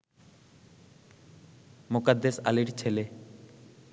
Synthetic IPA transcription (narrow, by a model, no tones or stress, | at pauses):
mʊkad̪ːesa̰liɾt͡ɕʰele